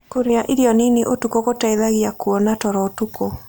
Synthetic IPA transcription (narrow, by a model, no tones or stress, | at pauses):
koɾeaʔiɾiɔneneʔotukokotaeðaɣiakuɔnatɔɾɔtuko